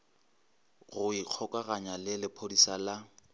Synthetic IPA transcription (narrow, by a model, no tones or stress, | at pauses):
ɣʊiq͡χʰɔkʼaɣaɲalɪlɪpʰodisala